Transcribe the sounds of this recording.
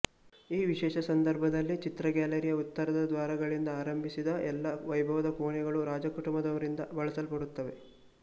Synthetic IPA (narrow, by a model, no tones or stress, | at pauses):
iːʋiʃɛːʃɐsɐnd̪ɐɾbʱɐd̪ɐlːit͡ʃit̪ɾɐɡaːlɐɾijɐut̪ːɐɾɐd̪ɐd̪ʋaːɾɐɡɐɭind̪ɐaːɾɐmbʱisid̪ɐʔɛlːɐʋɐjbʱɐʋɐd̪ɐkoːɳɛɡɐɭuɾaːd͡ʒɐkuʈumbɐd̪ɐʋɐɾind̪ɐbɐɭɐsɐlpɐɽut̪ːɐʋe̞